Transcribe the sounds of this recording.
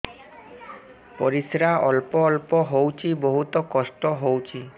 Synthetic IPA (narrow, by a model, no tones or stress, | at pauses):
pɔɾisɾaɔlpɔːlpɔɦowt͡ʃʰiboɦut̪ɔkɔsʈɔɦowt͡ʃʰi